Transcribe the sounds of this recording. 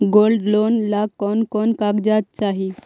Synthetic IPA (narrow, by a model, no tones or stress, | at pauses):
ɡolɖlonlakɔnkɔnkaɡd͡ʑat̪̚t͡saɦi